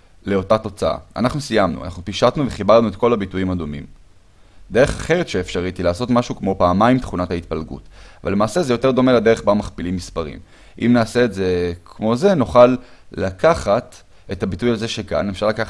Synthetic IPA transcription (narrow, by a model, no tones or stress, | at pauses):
le̞o̞tat̪o̞t͡saa̰a̰naχnusijamnṵa̰nʔaχnupiʃat̪nuve̞χibaʁnuetko̞labitujimad̪umḭm | d̪e̞ʁeχaχe̞ʁetʃeefʃaʁit̪ilaːso̞t̪maʃukmo̞paːmajimtχunathait̚palɡṵtava̰lːemaːse̞ze̞jo̞t̪e̞ʁd̪o̞me̞lade̞ʁe̞χbamaχpilimːispaʁḭm | ʔḭmnaːse̞ːtze̞kʰmo̞ze̞nuχalːakʰaχat̪ | etabitujazeʃeka̰nefʃaʁlakaχ